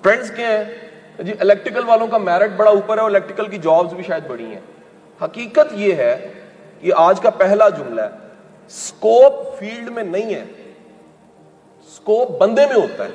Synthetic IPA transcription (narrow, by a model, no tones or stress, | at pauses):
ʈɾɛ̃ɳɖzkeɛ̃ | d͡ʒiʔɪlɛk̚ʈɾɪkəlʋaːlõkamɛːɾɪʈ̚bɐɽauːpəɾɦɛoɾɪlɛːk̚ʈɾɪkəlkid͡ʒaːbzbʱiʃaːjəd̪̚bɐɽḭ̃ɦɛ̰̃ː | hɐkiːkət̪jeːɦɛː | kiʔaːd͡ʒkapɛɦlad͡ʒʊmla̰ɛː | skoːpfiːlɖmẽnɐĩɦɛ̰ː | skoːp̚bɐ̃nd̪emẽɦoːt̪a̰ɦɛː